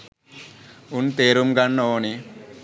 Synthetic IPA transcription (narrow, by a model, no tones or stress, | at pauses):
unt̪eːɾumɡɐnːoːni